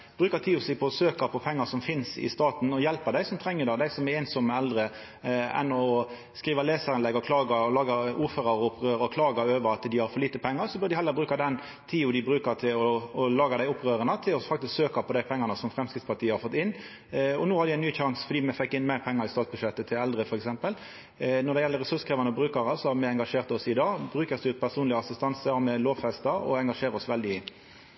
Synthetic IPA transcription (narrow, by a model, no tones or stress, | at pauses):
bɾʉːkət̪ʰiːʊsɛɡpʰɔsøːkɑpʰɔpʰɛŋːəsɔmfɪnsɪ̰st̪ɑːt̪n̩ɔjɛlpəd̪æɪsɔmt̪ʰɾɛŋːəd̪ɑd̪æɪsɔmɛeːnsɔmːəɛld̪ɾə | ɛ̰nːɔ | skʁiːʋɑleːsəɾɪnlɛɡɔkʰlɑːɡɑɔlɑːɡɑuːføːɾɑɾɔʊpːʁøːɾɔkʰlɑːɡɑøːʋəɾɑt̪d̪ɪhɑɾfɔɾliːt̪əpʰɛŋːəʁsɔbʉɾd̪ɪhɛlːəɾbɾʉːkɑd̪ɛn | t̪ʰiːʊd̪ɪbɾʉːkət̪ʰɪlɔːlɑːɡɑd̪æɪʊpːʁøːɾənət̪ʰɪlɔfɑk̚t̪ɪsksøːkɑpʰɔd̪æɪpʰɛŋːɑnəsɔmfɾɛmskɪt̪spɑt̪ʰiːəhɑɾfɔt̪ːɪnː | ɔnoːhɑɾd̪ɪæɪnyːçɑŋsfɔɾd̪iːmɛfɛkːɪnmæɪʁpʰɛŋːɑɾɪst̪ɑːt̪s̚bʉʂɛt̪ːət̪ʰɪlɛld̪ʁəfɔɾɛksɛmpəl | nɔd̪ɛjɛlːəɾʁɛsʉʂkʰɾɑːʋɑnɔbɾʉːkɑɾɑsɔmɛɛŋɡɑʂeːʁt̪ɔsɪd̪ɑːɡbɾʉːkəsd̪ʉːt̪̚pʰæʁʂuːnlɪəɑsɪst̪ɑnsəmɛloːʋfɛst̪ɑɾɔ̰ɛŋɡɑʂeːɾəɔsʋɛld̪ɪ